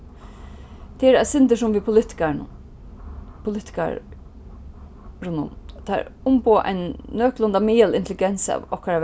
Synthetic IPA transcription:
t̪ʰɪɛɾasɪnt̪ɪʂʊmvipʊɪt̪ɪ̥kan̰ | pʰʊlɪt̪ɪ̥ka̰ɾ | ɾʊnʊ̰nt̪ʰa̰ɾʊmpoːʔa̰jnːœːklʊnd̪amiːəlɪ̰nt̪ʰlɪɡɛnsa̰ːvɔhkaɾa

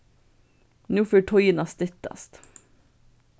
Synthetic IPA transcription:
nuːføːʈʰɔjənɑst̪ʏt̪ə̰st̪

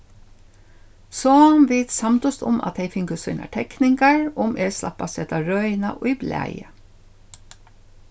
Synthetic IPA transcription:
sɔmʋeɪt̪sɑmt̪ʊst̪ʊ̰mɑ̰t̪heɪfɪŋɡəsʉ̰nɑ̰ʈʰɛknɪŋɡɑɹʊmʔeːslɑ̰pɑsɛt̪ɑːɹœʏnɑ̰ʔʊɪblæ̰ɪə

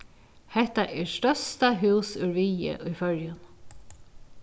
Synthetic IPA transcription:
hɛht̪aʔɛɹst̪œst̪aɦʉːsʉɹʋijə̰ʔʊjfœɹjʊn

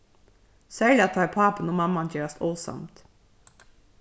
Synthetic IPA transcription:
sæːɭɪɑt̪ʰɑːpʰɑːpənoːmɑmɑntʰeːɾɑst̪oːsɑ̰mt̪

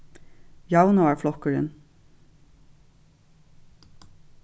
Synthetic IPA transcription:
jɑʊnaɑːflɔkəɹə̰n

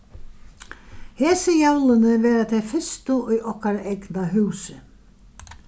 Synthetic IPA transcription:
hɛːsɪjawlɪnɪvɛːɾat̪ʰɛfɪst̪ʊʔʊjʔɔhkaɾaʔɛknaɦʉːsɪ

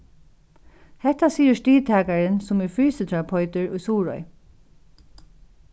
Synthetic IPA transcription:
hɛt̪asiːəʂtiːt̪ʰæːkaɹɪnsʊmɛɹfɹyːsət̪ʰɹapʰɔʏt̪ɪɹʊjsuːɹɔ̰j

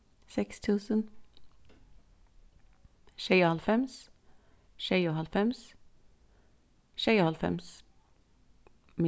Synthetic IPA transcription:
sɛkst̪ʰʉːsən | ʃeɪhɑlfɛms | ʃeɪohɑlfɛms | ʃeɪhɑlfɛ̰ms | mɪ

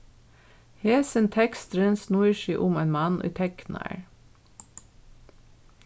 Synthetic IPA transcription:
heːsənt̪ʰɛkst̪ɾənsnuəʃiːʔʊmeːnmɑnʔḭːt̪ʰɛknæ̰ɹ

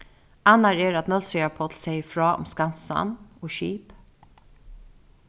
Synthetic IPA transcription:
anːaɹɛːɹat̪nœlsœapʰɔːt̪ʰlsɛjɪfɹɑːʔʊ̰mskansa̰noːʃḭːp

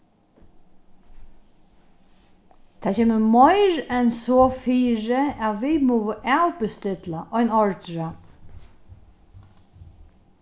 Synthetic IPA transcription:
t̪ʰaːt͡ʃʰeːməmɔɪɾɛnsɔːfiːɾɪaʋimuːʋəʔawpɪst̪ɪt̪laʔɔjnɔɹt̪ɾa

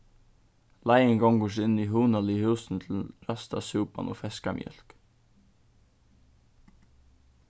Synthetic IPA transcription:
lajɪŋɡɔŋɡəʂ̬ɪniɦʉːnalɪhʉːsn̩t̪ʰɪl̩ɾast̪asʉːpa̰nɔ̰fɛskamjœ̰l̥k

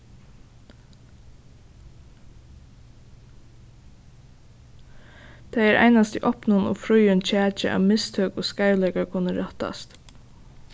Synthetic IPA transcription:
t̪ʰæɪæɾʔæ̰ɪnast̪iʔɔpnʊno̰ːfɾʊjənt͡ʃʰæːt͡ʃəʔɑ̰ːʋmɪst̪ʰœːkoːskaɪlɛkakʰʊnəɾɛt̪ɑ̰st̪

